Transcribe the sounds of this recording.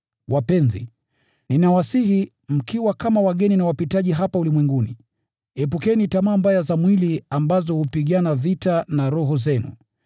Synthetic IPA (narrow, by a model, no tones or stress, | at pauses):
wʔapɛnzḭ | ninawasihi | m̩kiwakamawaɠɛninawapitaʄiɦapaulimwɛŋɡuni | ɛp̬ukɛnitamaːmbajazamwiliambazɔhupiɠanavitanaɾuɦuzɛnṵ